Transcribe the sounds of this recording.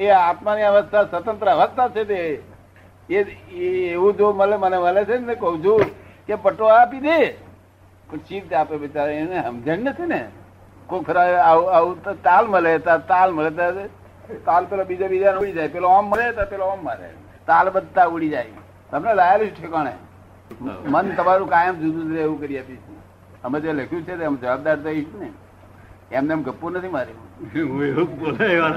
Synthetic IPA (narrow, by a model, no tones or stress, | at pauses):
eaːt̪maniaʋəst̪ʰasət̪ənt̪ɾəəʋəst̪ʰat͡ʃʰet̪e | eeːũd͡ʒoməleməneməlet͡ʃʰenekəɦũt͡ʃʰũkepəʈoaːpid̪e | pət͡ʃid̪t̪aːpeʋɪt͡ʃaɾeeneɦə̰md͡ʒənːət̪ʰinḛ | kopʰɪɾaaaut̪t̪aːlməlet̪at̪aːlməlet̪a | t̪alpelobid͡ʒabid͡ʒanuɽid͡ʒaːjpeloamːəɾet̪apeloamːaɾḛ | t̪albəd̪̚t̪auɽid͡ʒaj | t̪əmnelajalit͡ʃʰuʈʰekaɽ̃ḛ | mənt̪əmaɾũkajəmd͡ʒud̪ud͡ʒ̪ɾeeʋũkəɾiapit͡ʃʰe | əmed͡ʒeləkʰjũt͡ʃʰet̪əmd͡ʒəʋab̚d̪aɾt̪oit͡ʃʰune | emneəmɡəpːuɾnət̪ʰimaɾiũueubolea